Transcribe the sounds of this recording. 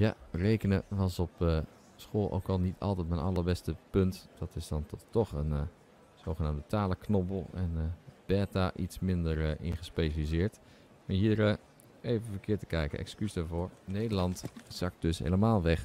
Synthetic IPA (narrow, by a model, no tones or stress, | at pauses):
ja̰rejkənəʋɑsɔpə | sχoːlˠʔo̰wkɑlˠnitʰɑ̰lˠtɛtmɛnɑləɹbɛstəpɵntd̥ɑtɪzdɑntɔtɔχən | z̥owχənaːmdətaːləknɔpəlˠɛnb̥ɛːtaʔitsmɪndəɹʔɪ̰nχəspejʃalizɪːɹt | maɹɦiːɹə | ejvənvəkɪːɹtə̥kɛjkə̰ʔɛ̰kskysdaɹvʊːɹnejdəɹlɑntz̥ɑk̚d̥ɵsɦḛjləmaːlˠʋɛχ